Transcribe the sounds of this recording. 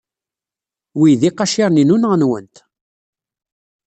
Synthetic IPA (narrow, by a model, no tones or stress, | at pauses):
wijðiqɑʃɪʁninunʁənwə̰nt̪